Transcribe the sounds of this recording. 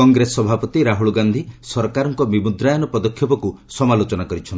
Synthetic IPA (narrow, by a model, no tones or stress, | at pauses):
ɔŋɡɾesɔbʱapɔt̪iɾaɦuɭɡand̪ʱisɔɾkaɾɔŋkɔbimud̪ɾajɔnɔpɔd̪ɔkʰjɔpɔkusɔmalot͡ʃɔnakɔɾit͡ʃʰɔni